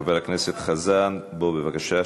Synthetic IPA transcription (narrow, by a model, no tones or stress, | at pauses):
velakneset̪χazanbobevakaʃa